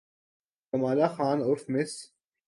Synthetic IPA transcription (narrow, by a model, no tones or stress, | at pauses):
ɐmaːlaxaːnʊɾfmɪs